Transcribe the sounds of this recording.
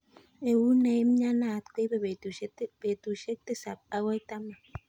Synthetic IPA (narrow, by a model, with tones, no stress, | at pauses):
e˨wu˦ne˨je˦m̩˦ɲa˦na˦˨tke˦be˦˨be˨˦b̥e˨tu˨ʃe˦k̚te˦sa˨p̚a˦wa˦i˦ta˦ma˨